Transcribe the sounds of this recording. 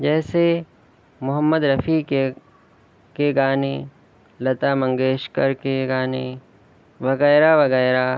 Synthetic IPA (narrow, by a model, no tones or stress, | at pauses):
d͡ʒɛːse | mʊɦəmːəd̪ɾɐfike | keɡaːneː | lɐt̪amɐ̃ŋɡeːʃkəɾkeɡaːneː | ʋɐɣɛːɾaʋɐɣɛːɾa